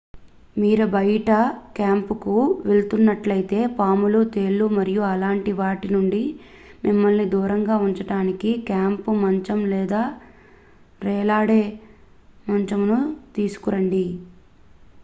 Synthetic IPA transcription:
miːɾɐbɐjʈɐkaːmpukuʋelt̪unːɐʈlɐjit̪e̞ːpaːmulut̪e̞ːɭːumɐɾijuɐlaːɳʈiʋaːʈinuɳɖi | mimːɐlnid̪uːɾɐŋɡaːuɲt͡ʃɐʈaːnikikaːmpumɐɲt͡ʃɐmlɛːd̪aː | ɾɛːlaːɽeː | mɐɲt͡ʃɐmnut̪iːsu̥kuɾɐɳɖi

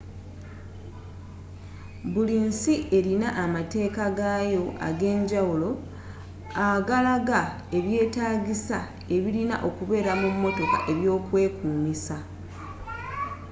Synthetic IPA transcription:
buliːnsiʔe̞ɾinaʔːmate̞ːkaɡajo̞a̰ɡe̞ːɲɟawulo̞ | aɡalaɡa | e̞βje̞ːtaːɟisa | e̞βilina̰ʔo̞kuβe̞ːɾamumːo̞to̞ka̰ʔe̞βjo̞ːkwe̞ːkuːmisa

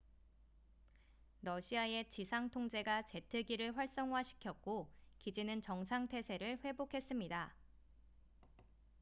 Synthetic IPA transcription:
ɾʌɕʰiae̞t͡ɕisʰaŋtʰoŋd͡ʑe̞ɡat͡ɕe̞tʰɯɡiɾɯɭɸwaɭs͈ʌŋɦwaɕʰi̥kʰjʌk̚k͈okid͡ʑinɯnt͡ɕʌŋsʰaŋtʰe̞sʰe̞ɾɯɭɸwe̞bokʰe̞s͈ɯmɲida

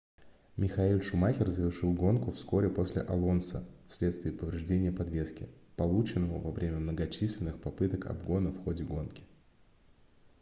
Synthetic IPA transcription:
mʲɪxɐilʲʂʊmaxʲɪrzəvʲɪrʂɨlˠɡo̞nkʊfsko̞ɾʲɪpo̞sʲlʲɪ̰ʔɐlˠo̞nsəfsʲlʲet̪st̪vʲɪːpəvɾʲɪʐdʲenʲɪjəpɐd̪vʲe̞skʲɪ̰pɐlˠut͡ɕɪnːəvəvɐvɾʲemʲəmnəɡɐt͡ɕisʲlʲɪnːɨxpɐpɨt̪əkɐ̰bɡo̞nəfxo̞dʲɪɡo̞nkʲɪ̥

